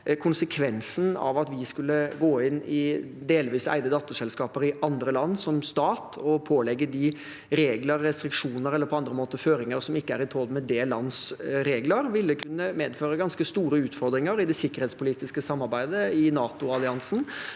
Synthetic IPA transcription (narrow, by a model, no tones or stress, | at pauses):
kʰʊnsəkʰʋɛnsn̩ɑ̰ʋɑt̪ʋɪskʉlːəɡoːɪnɪ | d̪eːlʋiːsæ̰ɪd̪əd̪ɑːt̪ːəʂɛlskɑːpəɾɪʔɑnd̪ɾəlɑnːsɔmst̪ɑːt̪ʰɔpʰoːlɛɡːəd̪ɪ | ɾeːɡləɾːɛst̪ɾɪkʂuːnəɾɛlːəɾpʰɔɑnd̪ɾəmoːt̪əføːɾɪŋəɾsɔmɪkːəæɾɪt̪ʰɔd̪mɛd̪eːlːɑnsɾeːɡləɾʋɪlːəkʰʉnːəmeːd̪føːɾəɡɑnskəst̪uːɾəʉːt̪fɔɾd̪ɾɪŋəɾɪd̪ɛsɪkːəɾheːt̪spʊliːt̪ɪskəsɑmːɑɾbæɪd̪əɪnɑːt̪ʊɑlɪɑnsn̩